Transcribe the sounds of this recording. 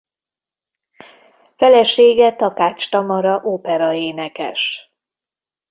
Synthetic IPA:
fɛlɛʃeːɡɛt̪ɒkaːt͡ʃt̪ɒmɒɾɒʔoːpɛɾɒeːnɛkɛ̰ʃ

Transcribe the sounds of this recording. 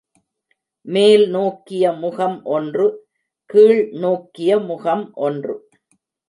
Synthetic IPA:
meːlnoːkːɪjɐmʊɣɐmʔɔndrɯ | kiːɭnoːkːɪjɐmʊɣɐmʔɔndrɯ̰

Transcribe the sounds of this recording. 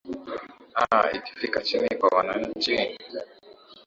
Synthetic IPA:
aḭki̥fikat͡ʃinikwawanaɲ̩t͡ʃi

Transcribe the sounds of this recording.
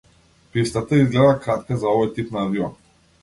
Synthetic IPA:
pist̪at̪aizɡlɛd̪akɾat̪kazaɔvɔjt̪ipnaːviɔ

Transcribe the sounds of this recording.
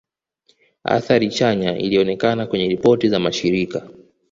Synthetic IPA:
a̰θaɾit͡ʃaɲaʔḭliɔnɛkanakwɛɲɛɾipɔtizamaʃiɾika

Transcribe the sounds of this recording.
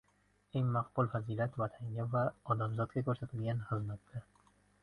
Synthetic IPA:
eŋmaqbʊlˠfaziːlat̪vat̪ʰaŋɡʲavaɒd̪amzɒt̪̚ɡʲakʰɵɾsat̪ʰɪlɡʲanχɨzmat̪d̪a

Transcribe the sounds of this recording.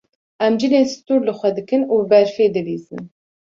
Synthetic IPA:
ʔɛmd͡ʒɨleːnsɨ̥t̪uːɾlɨxʷɛd̪ɨkɨnuːbɛɾfeːd̪ɨviːzɨ̰n

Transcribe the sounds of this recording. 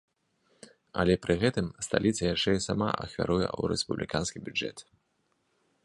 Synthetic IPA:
ɐ̰lʲɛpɾɨɣɛt̪ɨmst̪alʲit̪sɐjaʂt͡ʂɛisama̰ɐ̰xvʲa̰ɾujɛ̰wɾɛspublʲikanskʲibʲud͡ʐɛ̰t̪

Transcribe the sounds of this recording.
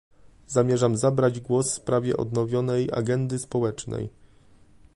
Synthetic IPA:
zamʲjɛʐamzabɾad͡ʑɡwɔsfspɾavʲjɛ̰ʔɔ̰d̪nɔvʲjɔnɛja̰ɡɛnd̪ɘspɔwɛt͡ʂnɛ̰j

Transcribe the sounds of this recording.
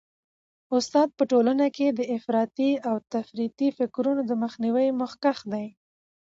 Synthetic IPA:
ʊst̪ɑd̪̚pəʈolanaked̪əɪfɾɑt̪iawt̪afɾit̪ifɪkɾunod̪əməxniwəjmʊxkaxd̪aj

